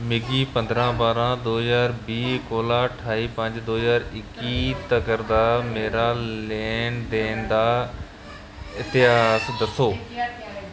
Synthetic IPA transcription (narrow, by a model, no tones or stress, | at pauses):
mɪɡiːpə̃nd̪ɾãːbaːɾãːd̪oːɦzaːɾbiːkoːlaːʈʰaːiːpə̃ɲd͡ʒd̪oːɦəzaːɾɪkit̪əkəɾd̪aːmeːɾaːleːnd̪eːnd̪aː | ɪt̪ɪɦaːsd̪ɐsoː